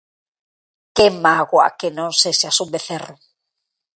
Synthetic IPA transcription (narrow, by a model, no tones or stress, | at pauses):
kemaɣwa̰kenõŋseseasumbeθerʊ